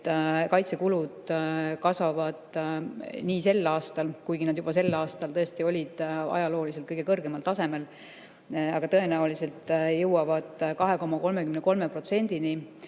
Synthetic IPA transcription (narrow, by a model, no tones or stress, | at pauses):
kɑjt̪se̞kulud̪̥kɑsvɑvɑd̪̥ | niːse̞lːɑːst̪ɑlkujɡinɑd̪̥jub̥ɑse̞lːɑːst̪ɑlt̪ɤest̪io̞lʲid̪̥ɑ̰jɑlo̞ːlis̬elt̪kɤjɡekɤrɡe̞mɑlt̪ɑse̞me̞l | ɑɡ̥ɑt̪ɤ̞e̞næulise̞lt̪ˑjɤwwɑvɑd̪̥kɑɦe̞ko̞mɑko̞lme̞kymneko̞lme̞pro̞t̪se̞nʲd̪̥ini